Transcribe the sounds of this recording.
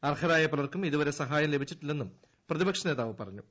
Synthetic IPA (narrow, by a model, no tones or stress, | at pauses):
ɐrhʰɐðaːjɐpɐlɐrkumiðuʋɐɾe̞sɐɦaːjɐmle̞bʱit͡ɕːiʈːilːenːum | prɐðibɐkʂɐne̞ːðaːʋɨpɐ̰rɐɲːu